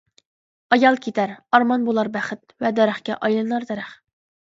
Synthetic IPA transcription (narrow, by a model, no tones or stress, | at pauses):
ɑjɑlˠkʲʰet̪ʰæɾɑɾmɑnbolˠɑɾbæχɪt̪̚vɛd̪ɛɾæχkʲɛʔɑjlˠɨnɑɾd̪ɛɾæχ